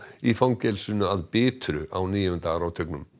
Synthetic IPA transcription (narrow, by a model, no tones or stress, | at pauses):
ifawŋcɛlsʏnːʏaðpɪːt̪ɾʏ̰ʔawniːjʏnt̪aɾawt̪ʰœknʏm